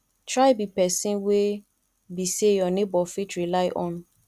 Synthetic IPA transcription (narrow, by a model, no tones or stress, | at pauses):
tʰɹaɪbipɛsĩnwe | bisejɔnɪ̃bɔfitɹilaɪʔɔ̃n